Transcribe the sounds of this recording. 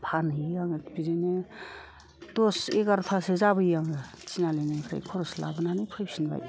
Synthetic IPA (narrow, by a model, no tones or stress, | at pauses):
pʰanɦijaŋetbizene | dosekaɾpʰasezabɯjjaŋ | t͡ʃinalenepʰɾa̰jkʰɔɾɔsla̰bɯnanipʰɯjbsinba̰j